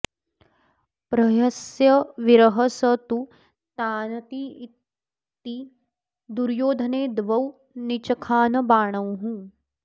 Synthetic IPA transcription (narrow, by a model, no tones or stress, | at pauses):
pɾɐjɐsjɐʋiɾɐɦɐsɐt̪u | t̪aːnɐt̪ii | t̪ːi | d̪uɾjoːd̪ʱɐneːd̪ʋɐw | nit͡ʃɐkʰaːnɐbaːɳ̃ɐwɦũ